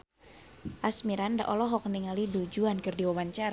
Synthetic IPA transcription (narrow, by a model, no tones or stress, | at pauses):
ʔasmiɾanda̰ʔɔlɔɦɔk̚niŋalidud͡ʒuankərdiwawaɲt͡ʃaɾa